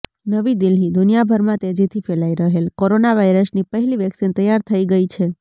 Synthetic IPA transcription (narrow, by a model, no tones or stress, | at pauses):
nəʋid̪ilɦid̪unijabʱəɾmãt̪ed͡ʒit̪ʰifelaiɾəɦelkoɾonaʋaiɾəsnipəɦɛliʋjəksint̪əjaɾt̪ʰəiɡəit͡ʃʰe